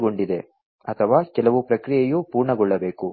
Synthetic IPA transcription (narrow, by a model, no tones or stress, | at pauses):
ɡo̞ɳɖid̪e̞ | ɐt̪ʰɐʋaːkɛlɐʋupɾɐkɾijejupuːɾɳɐɡɔɭːɐbe̞ːku